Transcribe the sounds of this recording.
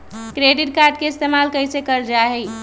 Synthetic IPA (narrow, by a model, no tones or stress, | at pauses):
kɾeɖiʈ̚kaɾɖ̚keist̪emalkəjsekəɾd͡ʒaɦɛ